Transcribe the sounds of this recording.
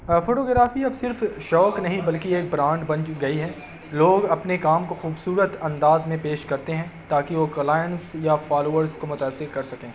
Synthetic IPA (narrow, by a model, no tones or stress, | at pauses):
foːʈoːɡɾaːfiɐbsɪɾfʃɔːknɐɦĩbɐlkieːk̚bɾãːɳɖbɐ̃nt͡ʃɡɐiɦɛː | loːɡɐpnekaːmkoxuːbsuːɾət̪ɐ̃nd̪aːzmẽpeːʃkɐɾt̪eɦɛ̃t̪aːkiʋoːkɐlaːɪjənsjafaːloːʋəɾzkomʊt̪aːsːɪɾkɐɾsɐkẽː